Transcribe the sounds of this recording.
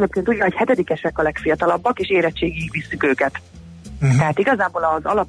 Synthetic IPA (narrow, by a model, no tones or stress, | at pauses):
eːp̚keːnt̪uɟːɒɦo̞chɛt̪ɛd̪ikɛʃɛkɒlɛkfijɒt̪ɒlɒbːɒkeːʃeːɾɛt͡ʃːeːɡiikʋisːykøːkɛt̪ | t̪ɛɦaːt̪iɡɒzaːboːlɒzɒ̰lɒp